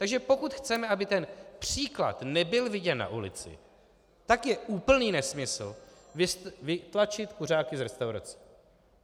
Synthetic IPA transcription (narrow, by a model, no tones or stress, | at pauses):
t̪aɡʒɛpo̞kut̪xt͡sɛmɛabɪt̪ɛnpr̝̥iːkla̰t̪nɛbɪlvɪɟɛnːa̰ʔulɪ̰t͡sɪ̰ | t̪akjɛʔuːpl̩niːnɛsmɪsl̩vɪvɪt̪lat͡ʃɪt̪kur̝aːkɪzɾɛst̪awɾa̰t͡sɛ̥